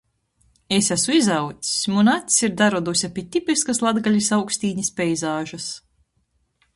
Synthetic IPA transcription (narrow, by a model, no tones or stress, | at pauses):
esæsuizawt̪sʲmunat̪ʲsiɾd̪aɾɔd̪usʲapʲit̪ʲipʲiskaslˠad̪ɡalʲisawksʲt̪iːɲispʲɛjzaːʒɐs